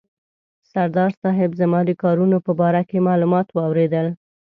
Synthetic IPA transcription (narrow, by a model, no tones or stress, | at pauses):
saɾd̪ɑɾsɑɦɪbzamɑd̪əkɑɾunopəbɑɾakemɑlumɑt̪wɑwɾed̪əl